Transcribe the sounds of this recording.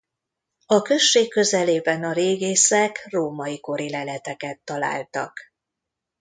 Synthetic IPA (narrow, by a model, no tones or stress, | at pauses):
ɒkø̞ʃːeːkːø̞zɛleːbɛnɒɾeːɡeːsɛkroːmɒiko̞ɾilɛlɛt̪ɛkɛt̪ːɒla̰ːlt̪ɒk